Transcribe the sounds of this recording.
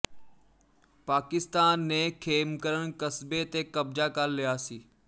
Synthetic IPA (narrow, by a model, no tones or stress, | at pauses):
paːkɪst̪aːnːekʰeːmkəɾənkəsbet̪ekɐbd͡ʒakalːɪjaːsiː